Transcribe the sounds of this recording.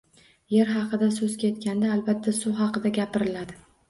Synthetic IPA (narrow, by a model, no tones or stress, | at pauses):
jeɾɦɑqʰɨd̪asɵzkʲʰet̪̚kʲand̪aːlbat̪ʰːasʊhɑqɨd̪aɡʲapɪɾɪlad̪ɪ